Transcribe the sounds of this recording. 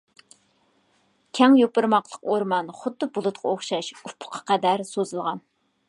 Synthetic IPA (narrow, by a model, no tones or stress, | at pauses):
kʲʰɛŋjopɨɾmɑqlˠəqoɾmɑnχʊt̪ːʊbulˠʊt̪qʰɑoχʃɑʃupʰːʊ̥qʰɑ̥qæd̪æɾsozɨlˠʁɑn